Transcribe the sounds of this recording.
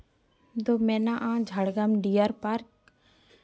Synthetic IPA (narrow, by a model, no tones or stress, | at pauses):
d̪omɛnaʔãːd͡ʒʱaɽɡɐmɖijaɾpaɾk